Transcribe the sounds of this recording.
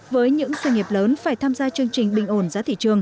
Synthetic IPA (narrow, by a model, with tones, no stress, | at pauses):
vəː˨˦jɲɨ̰˧˥ŋswə˧ŋi˨˩əp̚ləː˨˦nfaː˧˩jt̪ʰaː˧mzaː˧t͡ɕɨ˧əŋt͡ɕï˨˩ŋ̟ɓï˧˨ŋ̟ʔo˧˩nzaː˨˦t̪ʰḭ˧˨t͡ɕɨ˨˩əŋ